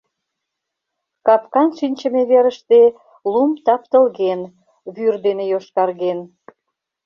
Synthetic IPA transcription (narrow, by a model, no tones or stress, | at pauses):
kɑpkɑnʃinʲt͡ɕə̆meβeɾəʃt̪e | lumt̪ɑpt̪əlɣen | βyrd̪enejoʃkɑrɣen